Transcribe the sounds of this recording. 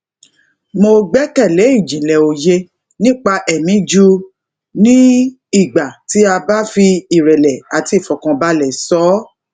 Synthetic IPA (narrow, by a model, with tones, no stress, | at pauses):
mo˧ɡ͡bɛ˦kɛ˦˨le˨˦i˦˨d͡ʒĩ˨lɛ˨o˨je˧ | nĩ˦k͡pa˧ʔɛ˨mĩ˨˦d͡ʒu˦ | nĩ˦ | i˦˨ɡ͡ba˨ti˨˦a˧ba˦fi˧i˦˨ɾɛ˨lɛ˨a˨ti˦˨fɔ˨kã˧ba˧lɛ˨sɔ˨˦